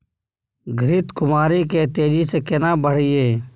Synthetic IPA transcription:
ɡʱɾɪt̪kʊmaːɾiːkeːt̪eːd͡ʒiːseːkenãːbəɽ̤iːeː

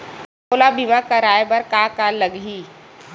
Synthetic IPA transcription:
oːlabimakaɾaːjbəɾkaːkaləɡɦiː

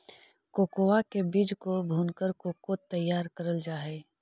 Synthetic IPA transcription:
koːkoʋakebiːd͡ʒkobʱuːnkəɾkoːkot̪ɐjːaːɾkɐɾəld͡ʒaːɦeː

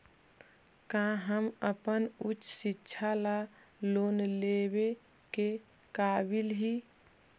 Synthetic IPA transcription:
kãɦəməpənut͡ʃsɪtːʃʰala | loːnlebe | ke | kabilɦi

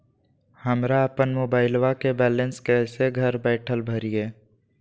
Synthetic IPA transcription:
həmɾaəpənmoːbaːɪlwakebɛːlənskɛseɡʱəɾbɛːʈʰəlbʱəɾijeː

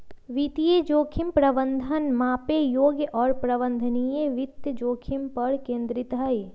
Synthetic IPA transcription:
ʋit̪ijed͡ʒoːkʰimpɾəbənd̪ʱənmaːpejoːɡjəʔɔːɾpɾəbə̃nd̪ʱənijeʋɪt̪jəd͡ʒoːkʰimpəɽkẽːnd̪ɾɪt̪ɦaːi

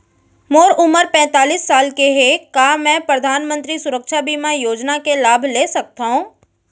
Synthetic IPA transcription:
moːɾʊməɾpɛ̃ːt̪aːliːsːaːlkeɦekaːmɛ̃pɾəd̪ʱaːnmə̃nt̪ɾisʊɾəkʃabimãjoːd͡ʒnakelaːbʱleːsɐk̚t̪aɦũː

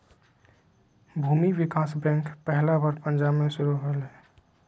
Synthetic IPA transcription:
bʱuːmiʋɪkaːsbɛ̃ːŋkpɛɦlabəɾpə̃nd͡ʒaːbmẽʃʊɾuɦəlɦɛː

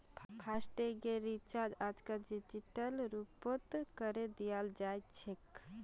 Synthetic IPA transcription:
pʰasʈeɡeɾit͡ʃaɾd͡ʒad͡ʒkad͡ʒid͡ʒiʈəlɾupot̪kəɾed̪ijald͡ʒat̪t͡ʃʰek

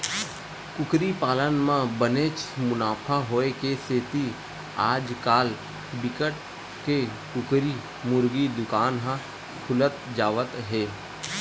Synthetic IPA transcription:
kʊkɾipaːlənmãbəneːt͡ʃmʊnaːpʰaɦoːekeseːt̪i | aːd͡ʒkaːl | bɪkəʈ̚ | kekʊkɾi | mʊɾɡid̪ʊkaːnɦã | kʰʊlət̪̚d͡ʒaːʋət̪ɦeː

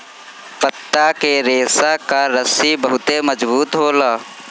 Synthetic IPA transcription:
pət̪ːakeɾeːsakaɾəsibəɦʊt̪eməd͡ʒbuːt̪ɦoːlaː

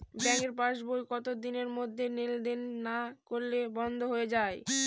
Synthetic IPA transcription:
bɛŋkeɾpaʃbojkɔt̪od̪ineɾmod̪ʱːeneld̪enːakoɾlebɔnd̪ʱoɦoed͡ʑae

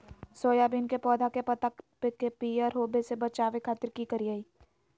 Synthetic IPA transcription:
soːjabinkepɔːd̪ʱakepɐt̪apekepiəɾɦoːbesebɐt͡ʃaːʋekʰaːt̪ɪɾkikəɾiaiː

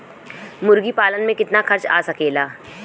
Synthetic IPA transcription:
mʊɾɡipaːlənmẽkɪt̪naxɐɾt͡ʃa̰ːsɐkeːlaː

